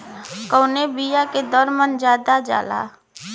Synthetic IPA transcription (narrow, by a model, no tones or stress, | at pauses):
kɔːnebijaked̪ɔːɾmənd͡ʒjaːd̪ad͡ʒa̰ːla̰ː